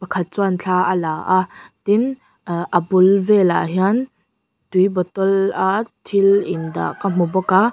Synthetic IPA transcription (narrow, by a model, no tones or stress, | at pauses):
pɐkʰat̪̚t͡swant͡ɬʰaːʔəlaːʔat̪in | ʔɐbʊlvɛla̰ʔɦian | t̪ujbɔt̪ɔlat̪ʰilʔɪnd̪a̰ʔkam̥ubɔka